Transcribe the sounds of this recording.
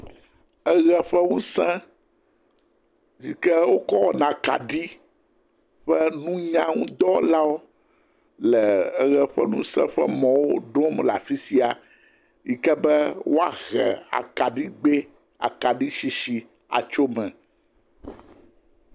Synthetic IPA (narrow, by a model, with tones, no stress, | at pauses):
ɛ˦ɣɛ˦ɸɛ˦ŋũ˦sɛ̃˦ | zi˨kɛ˦wo˦kɔ˦wɔ˨nã˨ka̰˨ɖi˦ | ɸɛ˦nũ˦ɲã˦ŋũ˦d̪ɔ˦la˦wo˦ | lɛ˨ɛ˦ɣɛ˨ɸɛ̰˦nũ˦sɛ̰̃˦ɸɛ̰˦mɔ̃˨wo˦ɖɔ̃˦m˨la˨fi˦si˦a˨ | ji˨kɛ˦bɛ˦wo˦a̰˨ɣɛ̰˨a̰˨ka˨ɖi˦ɡ͡be˦ | a̰˨ka˨ɖi˦ʃi˨ʃi˨ | a̰˨t͡ʃo˦mɛ̃˨